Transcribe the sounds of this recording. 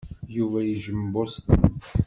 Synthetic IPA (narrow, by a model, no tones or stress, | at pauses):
juvæjiʒəmbost̪